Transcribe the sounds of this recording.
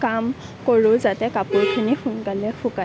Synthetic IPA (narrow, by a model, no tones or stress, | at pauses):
kam | koɹõzatɛkapuɹkʰunixunkalɛxʰuka